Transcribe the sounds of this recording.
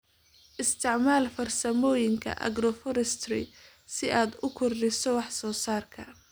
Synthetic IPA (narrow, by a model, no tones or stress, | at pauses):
ʔɪst̪ʰɪʕmaːlfɐrsɐmɔːjɪŋkʰɐ̰ʔɐ̰ɡɾɔfɔɾɛst̪rɪ̰ | sɪʔaːd̪ʊkʰɔrɖɪsɔwɑħsɔːsaːrkʰɐ